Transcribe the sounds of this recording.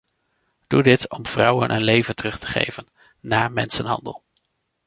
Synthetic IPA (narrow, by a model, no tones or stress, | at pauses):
d̥udɪtɔmv̥rʌwə̰nʔənlejvəntərɵχtə̥χḛjvənː | aːmɛnsənɦɑ̰ndə̰lˠ